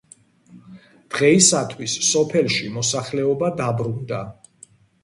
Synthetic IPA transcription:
d̪̥ʁɛisat̪ʰwisːɔpʰɛlʃimɔsaχlɛɔbad̪abɾund̪a

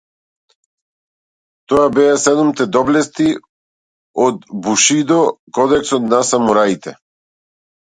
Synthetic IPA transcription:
t̪ɔabɛasɛd̪umt̪ɛd̪ɔblɛst̪i | ɔd̪buʃid̪ɔkɔd̪ɛksɔt̪nasamuɾait̪ɛ

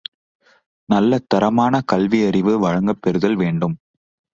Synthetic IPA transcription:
nɐlːɐt̪ːɐɾɐmaːnɐkɐlʋiɐɾɪʋɯʋɐɻɐŋɡɐpːɛɾɯðɐlʋeːɳɖɯm

